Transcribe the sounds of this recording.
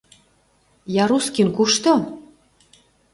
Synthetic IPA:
jɑɾuskinkuʃt̪o

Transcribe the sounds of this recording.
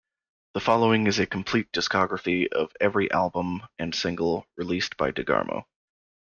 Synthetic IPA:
ðəfɑlˠoʊɪ̃ŋɨzɨkʰm̩pʰl̥it̚d̥ɨskɑɡɹɨfiʌvɛvɹiʔælˠbə̃mɨ̃nsɪ̃ŋɡl̩ˠɹɨlisb̥aɪdɨɡɑ̰ɹmo̰ʊ

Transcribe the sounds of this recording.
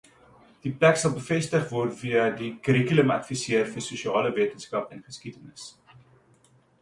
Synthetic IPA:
d̥iplæksɐlˠbəfɛstəχvɔrtviədikəɾikyləmɐ̰tfisiərfərsuʃiɑːləviətənskɐpɛnχəskitənəs

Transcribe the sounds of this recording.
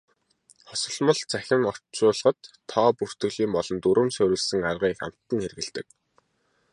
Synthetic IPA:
χɔsɞ̆ɮmɞ̆ɮt͡sʰæxʲɪ̆ŋɔr̥tt͡sʊːɮ̆ʁə̆t̪ʰːɔːpur̥t̪ɵ̆ɮiːmpɔɮɞ̆nt̪uɾʔɵ̆msœɾʲɘ̆ɮsɘ̆ŋarʁiːxa̰m̥t̪ːə̆nxerɣɘ̆ɮt̪ɘ̆k̚

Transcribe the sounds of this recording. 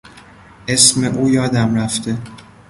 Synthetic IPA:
ʔesmeʔuːjɒːd̪æmɾæft̪ʰe̞

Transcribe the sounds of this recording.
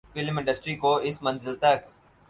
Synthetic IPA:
fɪlmɪ̃ɳɖəsʈɾikoɪsmɐ̃nzɪlt̪ɐk

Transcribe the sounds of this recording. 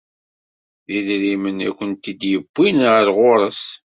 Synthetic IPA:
ðiðɾimənæ̰kʷːənt̪id̪jəb̥ːinʁəɾʁʊɾˤəs

